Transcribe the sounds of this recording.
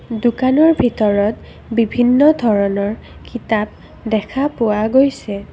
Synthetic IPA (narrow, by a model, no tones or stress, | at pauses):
dukanɔɹbʱitɔɹɔt | bibʱinːɔdʱɔɹɔnɔɹkitab̚ | dɛkʰapʊaɡojsɛ